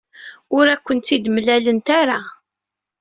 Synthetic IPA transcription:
ʊɾækʷːənt̪ːid̪mlælənt̪aɾa

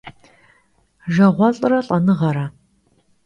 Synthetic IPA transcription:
ʒɐʁʷɔɬʼɨrɐɬʼɐnɨʁɐɾɐ

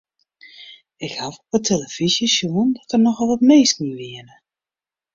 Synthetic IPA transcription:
ɪkhafɔpətʰeləfisjəsjuəndɔtərnɔxɔlˠʋɔtmeːstmuʋɪənə

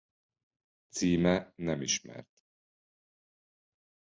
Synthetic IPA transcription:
t̪siːmɛnɛmiʃmɛ̰rt̪

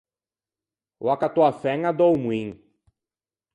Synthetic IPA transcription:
wakat̪uafɛŋad̪owmwĩŋ

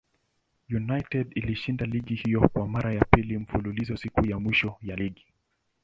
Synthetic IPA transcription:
junajtɛdiliʃindaliɠihijɔkwamaɾajapilim̩fululizɔsikujamwiʃɔjaliɠi

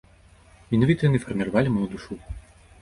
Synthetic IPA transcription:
mʲinavʲit̪ɐjɐnɨfɐrmʲiɾavalʲimud̪uʂu

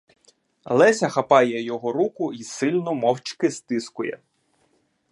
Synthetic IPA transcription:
lˠɛsʲɐxɐpɑjɛjɔɦɔɾukʊisɪlʲnʊmɔwt͡ʃkɪst̪ɪskʊjɛ̰

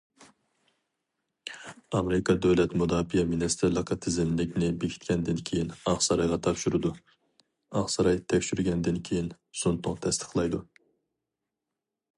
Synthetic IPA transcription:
ɑmeɾɪkʰɑd̪øwlɛt̪mud̪ɑːbijɛminɪst̪ʰɪɾlˠəqʰɑt̪ʰɪzɪmlɪkʲnɪbekʲʰi̥t̪̚ʲkʲʰɛnd̪ɪnkʲʰejinɑχsɑɾɑjʁɑt̪ʰɑpʃyɾɨd̪u | ɑχsɑɾɑjt̪ʰɛkʲʃyɾɡʲɛnd̪ɪnkʲʰejin | sunt̪ʰʊŋt̪ʰɛst̪ʰə̥χlˠɑjd̪u

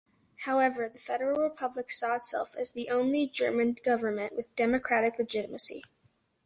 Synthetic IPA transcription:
haʊɛvə˞ðɨfɛɾə˞l̩ˠɹɨpʰʌbləksɔətsɛ̰lˠfɨzðiʔõʊ̃nlid͡ʒɜ˞mɨ̃nɡʌvə˞mɨ̃nʔwɨðdɛmɨkʰɹ̥æɾɨklɨd͡ʒɪɾəmɨsḭ

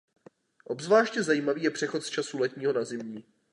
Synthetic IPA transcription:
ʔo̞bzvlaːʃcɛzajiːmaviːjɛpr̥ɛxo̞t̪st͡ʃasulɛt̪ɲiːɦo̞nazɪmɲiː

